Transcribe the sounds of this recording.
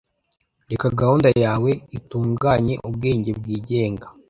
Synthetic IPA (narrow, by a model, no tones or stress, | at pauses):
ɾekaɡahundajaːwe̞ituːŋɡaːɲe̞ʔubɡe̞ːɲɟe̞bɡiːɟe̞ːŋɡa